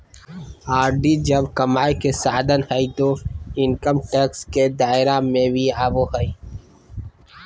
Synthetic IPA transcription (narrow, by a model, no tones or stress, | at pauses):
aːɾɖid͡ʒɐbkɐmaːjkesaːd̪ənhəit̪oɪnkəmʈeːksked̪aːɪɾamẽbʱiaːboɦəi